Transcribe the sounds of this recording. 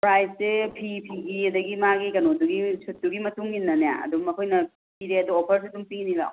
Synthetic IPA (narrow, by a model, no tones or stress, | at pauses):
pɾajssepʰipʰiɡiɐdɐɡimaɡikɐnoduɡisut̚duɡimɐtuŋɡinːɐneja̰ɐ̰dumɐkʰojnɐ | piɾeɐduopʰɐɾs̬idumpiniɡa̰